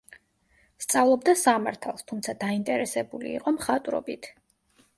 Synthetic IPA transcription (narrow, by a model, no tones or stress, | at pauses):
st̪sʼavlˠɔbd̪asamaɾt̪ʰalˠst̪ʰumt̪sʰad̪aint̪ʼɛɾɛsɛbulḭːqʼɔmχat̪ʼɾɔ̰bit̪ʰ